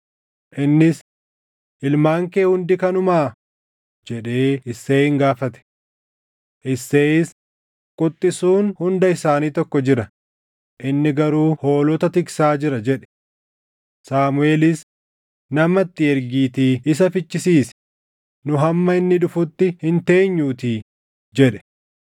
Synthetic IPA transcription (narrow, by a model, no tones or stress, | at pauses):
ʔɪnːɪs | ʔɪlmaːŋkeːhʊnd̪ɪkɐnʊmaː | d͡ʒɛᶑe̞ːɪsːeːhɪŋɡaːfɐt̪ɛ̥ | ʔɪsːeːɪs | kʼʊt̪ʼːɪsuːnhʊnd̪ɐɪsaːniːt̪ɔkːɔd͡ʒɪɾɐ | ʔɪnːɪɡɐɾuːho̞ːlɔt̪ɐt̪ɪksaːd͡ʒɪɾɐd͡ʒɛᶑɛ̥ | saːmʊeːlɪs | nɐmɐt̪ːɪɛɾɡiːt̪iɪs̬ɐfɪt͡ʃːɪsiːs | nʊɦɐmːɐɪnːɪᶑʊfʊt̪ːɪhɪnt̪e̞ːɲːuːt̪iː | d͡ʒɛᶑɛ̥